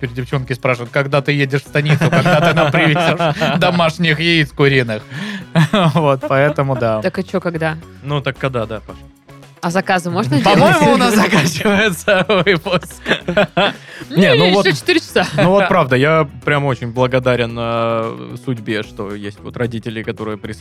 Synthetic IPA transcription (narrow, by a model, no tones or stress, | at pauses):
ɪpʲɪɾʲɪdʲɪft͡ɕo̞nkʲɪspɾaʂɨvət̪kɐɡd̪at̪ɨjedʲɪʂfst̪ɐnʲit̪sʊkɐɡ̪at̪ɨnapɾʲɪvʲɪdʲoʂd̪ɐmaʂnʲɪxɪiskʊɾʲinɨx | vo̞t̪pɐɛt̪əmʊd̪at̪akɐt͡ɕokɐɡd̪a | nut̪akːɐd̪ad̪apɐʂ | ɐzɐkazɨmoʐnəpɐmo̞jɪmʊːnaszɐkat͡ɕɪvəjɪt̪səɨposʲ | nʲenuvotot͡ɕɪ̥t̪ɨɾʲɪt͡ɕɪ̥sanuvo̞t̪pɾavd̪əjapɾʲamo̞t͡ɕɪnʲblˠəɡɐd̪aɾʲɪnːəsʊdʲbʲeʂt̪o̞̰jesʲtʲvot̪rɐdʲitʲɪlʲɪkɐt̪o̞ɾɨjəpɾʲɪ